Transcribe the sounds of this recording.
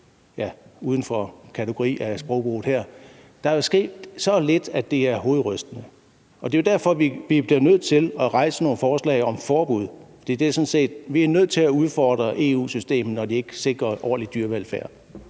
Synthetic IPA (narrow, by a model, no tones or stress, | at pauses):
jæuːð̞ˠən̩fɒ̽kʰæt͡sʰe̝ɡ̥o̝ʁḭːæsb̥ʁɔ̽ʊb̥o̝̰ːhæɐ̰ | d̥ɑ̈æɐjo̝sɡ̥e̝̰ːd̥sɒ̽led̥æd̥e̝æɐɦo̝ːð̩ˠʁœsd̥ənə | ʔɒ̽d̥e̝jo̝d̥æɐ̰fɒ̽ʋiʋib̥liɐnøð̞̰ˠt͡sʰe̝lɒʁɑ̈ɪsəno̝ːn̩fɒːslɛ̰ɪɒ̽mfɒːb̥uð̞̰ˠfɒd̥ḭːd̥eæɐsɔ̽nse̝̰ːd̥ʋiæɐnøð̞̰ˠt͡sʰe̝læuð̞ˠfɒːd̥ʁɐʔe̝̰ṵːsysd̥e̝̰ːmð̩ˠnɒd̥ie̝ɡ̥əse̝ɡ̥ʁɐʔɒ̰ːlid̥yɐʋelfæɐ̰d̥